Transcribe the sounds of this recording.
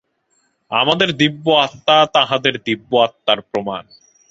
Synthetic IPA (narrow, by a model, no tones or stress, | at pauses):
amad̪eɾd̪ibːoat̪ːat̪aɦad̪eɾd̪ibːoat̪ːaɾpɾoman